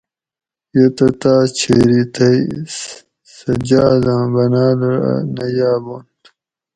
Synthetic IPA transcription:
jet̪ɐt̪aːt͡ɕʰeːɾit̪ɐi | sɐd͡ʑaːd̪ãːbɐnaːd̪ɐɾ̰nɐjaːbont̪

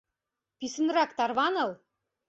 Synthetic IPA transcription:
pisɘ̆nrɑkt̪ɑrβɑnɤ̆lˠ

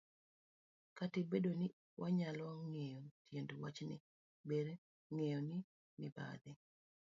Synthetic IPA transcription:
katɪbedonɪ | wʔaɲalɔŋejotʰjendwat͡ʃnɪ̰ | beɾ | ŋejonɪ | mɪba̰d̪ɪ

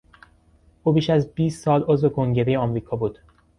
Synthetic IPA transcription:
ʔuːbiːʃæzbiːst̪sɒːlʔo̞zve̞kʰo̞ŋɟe̞ɾejeɒmɾiːkʰɒːbuːd̪̥

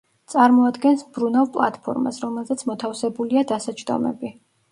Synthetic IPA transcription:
t̪sʼaɾmɔad̪ɡɛnsbɾunavˠpʼlˠa̰t̪pʰɔ̰ɾma̰sɾɔmɛlˠzɛt̪sʰmɔt̪ʰafsɛbuliad̪asat͡ʃʰd̪ɔ̰mɛ̰bi

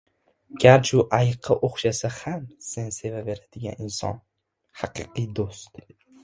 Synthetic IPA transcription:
ɡ̥ʲaɾt͡ʃʰʊʔajɨqʰːɨʔoχʃasahamsense̞vave̞ɾad̪̥ɪɡʲa̰ninsɒ̰n | haqɨ̰qɨjd̪ost̪

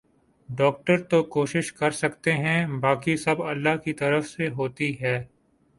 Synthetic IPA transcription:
ɖɔːk̚ʈəɾt̪okoːʃɪʃkɐɾsɐkt̪eɦɛ̃baːkisɐbɐlːaɦkit̪ɐɾəfseɦoːt̪iɦɛː

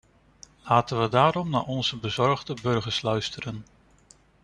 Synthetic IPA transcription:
laːtənʋədaːɾɔmna̰ːɹɔnzəbəzɔɹχdəbɵɹχəɹslœɥstərən

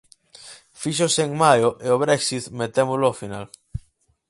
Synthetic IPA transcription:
fiʃ̬oseŋmajoʔeoβ̞ɾeksit̪met̪emoloofina̰l

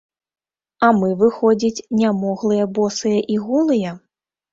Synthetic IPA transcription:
ɐmɨvɨxɔd͡zʲit͡sʲnʲamɔɣlˠɨjɐbɔsɨjɐʔiɣulˠɨjɐ

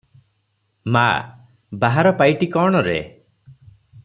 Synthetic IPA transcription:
ma̰ | baɦaɾɔpajʈikɔɽ̃ɔɾḛ

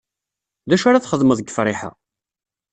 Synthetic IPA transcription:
ðæʃaɾaθχəðˤməðəɡəfɾˤɪħa̰

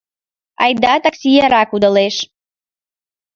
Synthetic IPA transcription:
ɑ̰jd̪ɑt̪aksʲijaɾɑkud̪əleʃ

